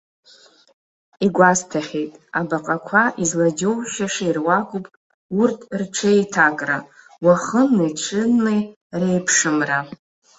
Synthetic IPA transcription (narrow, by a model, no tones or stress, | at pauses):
iɡʷastʰaχʲejtʼabaqʼakʷʰaʔizlad͡ʒʲowʃaʂairwakʷʼupʼ | urtʰrʈ͡ʂʰejtʰakʼra̰ | waχənːɨjʈ͡ʂʷʰɨnːɨj | rejpʰʂɨmra